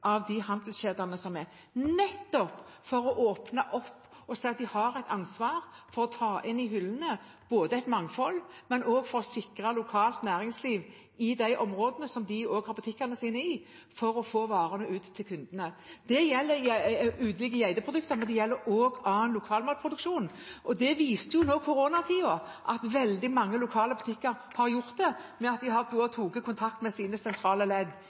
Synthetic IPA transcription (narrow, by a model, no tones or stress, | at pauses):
ʔɑʋd̪ɪhɑnd̪lsɕeːd̪ɑnəsɔmɛɾ | nɛt̪ːɔpfɔɾɔʔoːpnɑʔɔpːɔsæɪɑt̪̚d̪ɪhɑɾæɪt̪ɑnsʋɑːɾfɔɾɔt̪ʰɑːʔɪnɪɦʏlːənə | b̥oːd̪əæɪt̪mɑŋːfɔlːmɛnʔoːɡfɔɾɔsɪkʁɑlʊkʰɑːlt̪næːɾɪŋsliːʋ | ɪd̪æɪʔɔmɾoːd̪ənəsɔmd̪ɪoːɡhɑɾbʉt̪ʰɪkːɑnəsiːnəɪ | fɔɾɔfoːʋɑːɾənəʉːt̪ʰːɪlkʰʉnd̪ənəd̪̥ɛjɛlːəjʉːd̪əlɪɡəjæɪd̪əpʰʁʊd̪ʉkt̪əɾmɛnd̪ɛjɛlːəɾoːɡɑənlʊkʰɑːlmɑːlpʰɾʊd̪ʉkʃuːn | ʔɔd̪ɛʋiːst̪əjʊnoːkʰʊɾoːnɑt̪ʰiːɔʔɑt̪ʋɛld̪ɪmɑŋːəlʊkʰɑːləbʉt̪ʰɪkːəɾ | hɑɾjʊʁt̪̚d̪ɛmɛɑt̪̚d̪ɪɦɑɾp̪ʰoːɔt̪ʰuːɡəkʰʊnt̪ʰɑkt̪mɛsiːnəsɛnt̪ʰɾɑːləlɛɡ̪